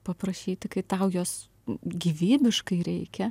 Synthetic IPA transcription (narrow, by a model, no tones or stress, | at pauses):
pɐpɾɐʃʲiːt̪ʲɪkɐɪt̪ɐʊjoːs | ɡʲiʋʲiːbʲɪʃkɐɪɾʲɛɪkʲɛ